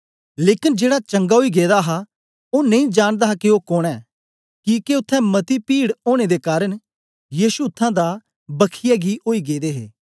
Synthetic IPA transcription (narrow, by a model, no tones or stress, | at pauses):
leːkɪnd͡ʒeːɽat͡ʃəŋɡaːɦoiːɡeːd̪aɦa | oːnɐ̃ĩːd͡ʒaːɽ̃d̪aɦakioːkoːɽ̃ɛː | kikeʊt̪ʰːɛ̃ːmət̪ipiːɽoːɽ̃ed̪ekaːɾəɽ | jiːʃuʊt̪ʰːãːd̪aː | bəkʰɪjaɡiʔoːiːɡeːd̪eːɦḛː